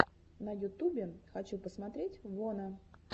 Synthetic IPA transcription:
nəjʊt̪ubʲɪxɐt͡ɕupəsmɐt̪ɾʲetʲvonə

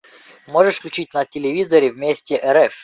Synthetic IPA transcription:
moʐɛʂfklʲʊt͡ɕit̚ʲnɐtʲɪlʲɪvʲizɐɾʲɪvmʲesʲtʲɪʔɛɾɛf

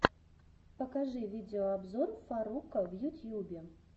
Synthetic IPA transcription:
pɐkaʐɨvʲid̪ɛɔabzɔrfaɾukɐvjut̪ʲjubʲɛ

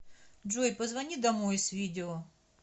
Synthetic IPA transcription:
ʐɔjpəzvɐnʲid̪ɐmojsvʲidʲɪo

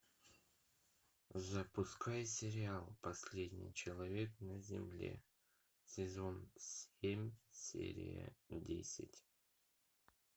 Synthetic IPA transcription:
zəpʊskajsʲɪɾʲɪalˠpɐsʲlʲedʲnʲɪ̰jt͡ɕɪlˠɐvʲe̞knəzʲɪ̰mlʲḛ | sʲɪzo̞nsʲemʲsʲḛɾʲɪ̰jə̰dʲḛsʲɪtʲ

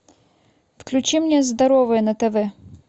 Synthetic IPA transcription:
fklʲut͡ɕimnʲɛzd̪ɐɾɔvɨjɛnɐt̪ɛvɛ

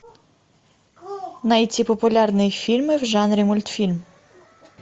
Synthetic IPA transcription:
nɐjit͡sʲipɔpʊlʲɑrnɪjfʲilʲmɪwʒɑnɾʲimɔlʲt̪fʲilʲm

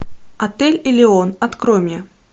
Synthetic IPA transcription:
ɐt̪ɛlʲilʲɪɔnɐt̪kɾɔmʲjɐ

